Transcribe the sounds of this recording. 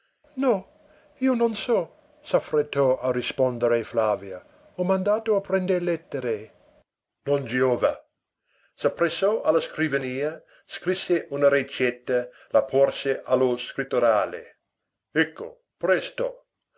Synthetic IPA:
nɔ | iːononsɔ | safret̪ːɔarispond̪eɾeflaːvja | ɔmand̪aːt̪oapɾɛnd̪eɾlɛt̪ːeɾe | nond͡ʒioːva | sapːɾesɔʔalaskɾivaniːa | skɾisːeʔunaɾet͡ʃɛt̪ːa | lapʰɔrseʔaloskɾit̪ːoɾaːlḛ | ɛkːo̰ | pɾɛst̪o̰

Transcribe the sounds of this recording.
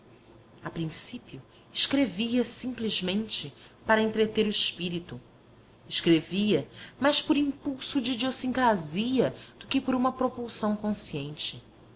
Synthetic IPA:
apɾĩsipiʊ | ɪʃkɾeviɐsĩmplizmẽnt͡ʃɪ | paɾɐẽnt̪ɾet̪eɾʊɪʃpiɾit̪u | ɪʃkɾeviɐmajʃpoɾĩŋpuwsʊd͡ʒid͡ʒiosĩŋkɾaziɐd̪̥ʊkɪpoɾũmɐpɾopuwsɐ̃w̃kõsiẽnt͡ʃɪ

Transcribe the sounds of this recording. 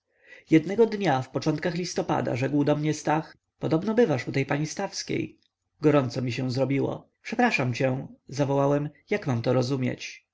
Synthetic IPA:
jɛd̪nɛɡɔd̪ɲafpɔt͡ʂɔnt̪̚kaxlʲist̪ɔpa̰d̪a̰ʐɛɡwd̪ɔmɲɛst̪ax | pɔd̪ɔbnɔbɘvaʂut̪ɛjpaɲist̪afskʲḛj | ɡɔɾɔnt̪sɔmʲiɕɛw̃zɾɔbʲiwɔ̰ | pʂɛpɾaʂamt͡ɕɛ̃zavɔwawɛmjakmamt̪ɔɾɔzumʲjḛt͡ɕ

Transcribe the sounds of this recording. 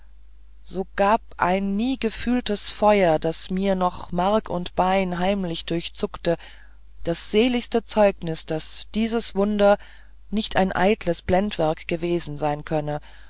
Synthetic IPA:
z̥oːɡ̥aːpʔa̰ɪnːiːɡəfyːltəsfɔʏɐdasmiːɐnɔχmaʁɐkʰʊntb̥aɪnɦaɪmlɪçd̥ʊɐçt͡sʊktə | d̥asz̥eːlɪçstət͡sɔʏknɪsd̥asd̥iːzəsv̥ʊndɐ | nɪçtʰaɪnʔa̰ɪtləsb̥lɛntv̥ɛɐkɡ̥əveːzn̩zaɪnkʰœnə

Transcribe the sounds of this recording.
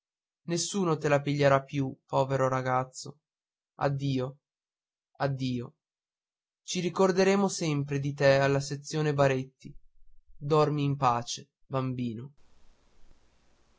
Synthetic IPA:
nesːuːnot̪elapiʎːeɾapːjupːɔːveɾoɾaɡat̪sːo | a̰d̪ːiːo | ad̪ːiːo | t͡ʃiɾikord̪eɾeːmosɛmpɾed̪it̪ealːaset̪sːjoːnebaɾet̪ːi | d̪ɔrmiːmpaːt͡ʃe | bambiːno

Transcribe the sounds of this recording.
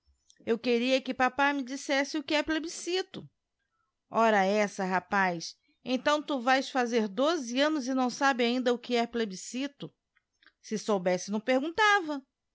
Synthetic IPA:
ewkeɾiɐkɪpapajmɪd͡ʒisɛsɪʊkɪɛplebisit̪ʊ | ɔɾɐɛsɐɦapajs | ẽt̪ɐ̃w̃t̪uvajsfazeɾd̪ozɪɐ̃nʊzɪnɐ̃w̃sabɪaĩnd̪ɐʊkɪɛplebisit̪ʊ | sɪsowbɛsɪnɐ̃w̃peɾɡũnt̪avɐ

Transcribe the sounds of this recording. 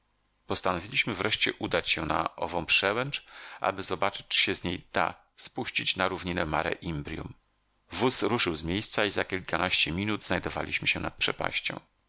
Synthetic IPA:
pɔst̪anɔvʲilʲiɕmɘvɾɛʂt͡ɕɛʔud̪at͡ɕɕɛna̰ʔɔ̰vɔ̃w̃pʂɛwɛnt͡ʂʔa̰bɘzɔbat͡ʂɘ̥t͡ɕt͡ʂɕɛzɲejd̪a̰ | spuɕt͡ɕit͡ɕnaɾuvɲinɛmaɾɛ̰ʔimbɾʲjṵm | vusɾuʂɘwzmʲjejst̪saizakʲilkanaɕt͡ɕɛmʲinud̪znajd̪ɔva̰lʲiɕmɘɕɛna̰t̪̚pʂɛpa̰ɕt͡ɕɔ̰̃w̃

